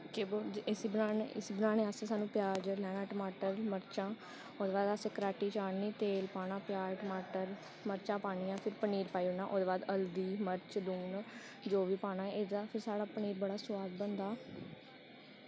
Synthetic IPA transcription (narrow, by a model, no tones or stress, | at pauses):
keːbod͡ʒɪsiːbənaːneɪsibənaːnẽːaːsẽːsaːnũːpjaːd͡ʒlɛːnãːʈəmaːʈəɾməɾt͡ʃãː | od̪eːbaːd̪aːsẽːkəɾaːʈiːt͡ʃaːɳniːt̪eːlpaːnãːpɪjaːɾʈəmaːʈəɾ | məɾt͡ʃãːpaːɳ̃ijãːpʰɪɾpəniːɾpaːiʊnãːʔoːd̪eːbaːd̪əld̪iːməɾt͡ʃluːn | d͡ʒoːʋiːpaːñãːɛed̪aːpʰɪɾsaːɽaːpəniːɾbəɽaːsʊwaːd̪̚bənd̪aː